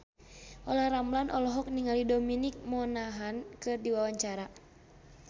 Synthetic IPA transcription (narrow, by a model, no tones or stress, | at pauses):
ʔɔlahramlanʔɔlɔɦɔk̚niŋalidɔminik̚mɔnaɦankɨrdiwawaɲt͡ʃaɾa